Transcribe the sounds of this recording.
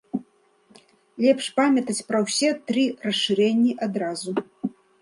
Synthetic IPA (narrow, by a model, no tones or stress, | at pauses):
lʲɛpʂpamʲɐt̪ɐt͡sʲpɾɐwsʲɛt̪ɾɨrɐsʂɨɾɛnʲːiʔad̪ɾazu